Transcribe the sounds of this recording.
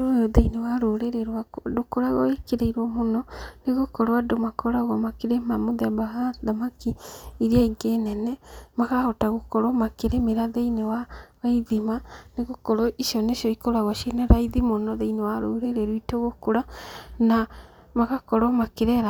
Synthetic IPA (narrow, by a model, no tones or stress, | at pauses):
ɾojɔðeinewaɾoɾeɾeɾwakdokoɾaɣɔekeɾeiɾɔmonɔneɣokɔɾoadomakɔɾaɣwamakeɾemamoðɛbahaðamakiiɾiaiɡenɛnɛmaɣahɔtaɣokɔɾɔmakeɾemeɾaðeinewaɣaiðimaneɣokɔɾɔʔiʃiɔneʃiɔikoɾaɣɔʃenɛɾaiðimonɔðeinewaɾoɾeɾeɾwitoɣokoɾana | maɣakɔɾɔmakeɾɛɾa